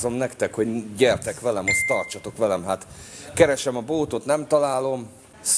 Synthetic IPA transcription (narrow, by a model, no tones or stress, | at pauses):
zo̞mnɛkt̪ɛkho̞ɟɟɛrt̪ɛkʋɛlɛmost̪ːɒrt͡ʃɒt̪o̞kʋɛlɛmɦat̪kɛɾɛʃɛmɒboːt̪o̞t̪nɛmt̪ɒlaːlo̞m | s